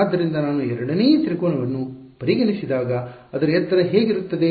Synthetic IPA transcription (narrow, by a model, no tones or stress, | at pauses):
d̪ːɐɾind̪ɐnaːnuɛɾɐɽɐneːjɐt̪ɾikoːɳɐʋɐnːu | pɐɾiɡɐnisid̪aːɡɐ | ɐd̪ɐɾɐɛt̪ːɐɾɐɦeːɡiɾut̪ːɐd̪e̞